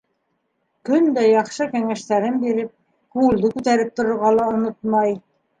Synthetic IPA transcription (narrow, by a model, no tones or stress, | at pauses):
kɵnd̪æjɑχʃɤkæŋæʃt̪æɾɘnbiɾɘp̚ | kuɘ̆ld̪ɤkʉt̪æɾɘp̚t̪ŏɾŏɾʁɑlˠɑŏnot̪mɑj